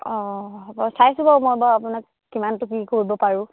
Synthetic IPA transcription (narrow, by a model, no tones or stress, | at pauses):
ɔbɔsajsʊbamojbaapʊnakːimantʊkikoɹibɔpaɹʊ̃